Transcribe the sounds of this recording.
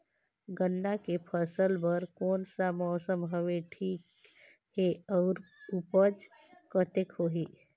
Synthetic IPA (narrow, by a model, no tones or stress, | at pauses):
ɡənːakepʰəsəlbəɾkɔːnsamɔːsəmɦəʋeʈʰiːk | heɔːɾupəd͡ʒ | kət̪ekɦoːɦiː